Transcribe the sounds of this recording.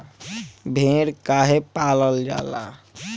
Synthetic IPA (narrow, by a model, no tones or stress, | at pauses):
bʱeɽkaɦepaləld͡ʒa̰la̰